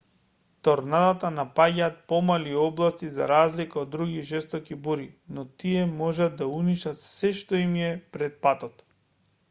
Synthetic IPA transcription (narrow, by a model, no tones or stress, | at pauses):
t̪ɔɾnad̪at̪anapaɟaːt̪̚pɔmaliɔblˠast̪iza̰ɾazlikaod̪ːɾuɡiʒɛst̪ɔkibuɾinɔt̪iɛmɔʒad̪d̪auniʃat̪sɛʃt̪ɔimjɛpɾɛt̪̚pat̪ɔt̪